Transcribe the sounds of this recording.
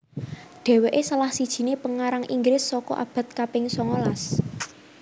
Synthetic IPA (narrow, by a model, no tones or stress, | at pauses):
ɖ̪̥e̤weʔesəlahsid̥ʒ̥i̤nepəŋaɾaŋʔiŋɡɾɪsːɔkɔ̰ʔa̰b̥a̤t̪̚kapɪŋsɔŋolas